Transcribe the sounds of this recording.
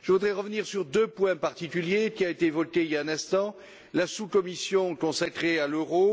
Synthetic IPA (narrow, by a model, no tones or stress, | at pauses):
ʒ̥əvud̪ʁɛʁəvəniʁsyʁd̪øpwɛ̃paʁt̪ikʲyljekʲiaet̪evɔkeijaɛ̃nɛ̃st̪ɑ̃ | lasukɔmisjɔ̃kɔ̃sakχealøʁo